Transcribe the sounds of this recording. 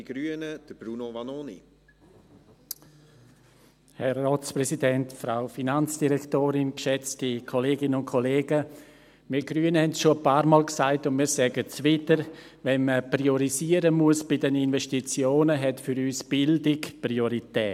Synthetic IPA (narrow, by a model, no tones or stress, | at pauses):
ɡ̥ɾyənəd̥əb̥ɾuːnovanoːnḭ | hɛrːoːt͡spɾɛsidɛntfɾaʊfinant͡sd̥iɾɛktoːɾɪnkʃɛt͡stikʰoleːɡɪnənʊnkʰoleːɡə | miɡɾyːənəhɛntsʃoəpaːɾmɔːlksaɪtʊntmiːɾsɛːɡət͡sʋɪtəɾ | ʋɛnməprioɾiziːəɾəmuəsb̥ɪdɛninvɛʃtit͡sjoːnəɦɛtfʏɾyːsb̥ɪldɪkprioɾitɛː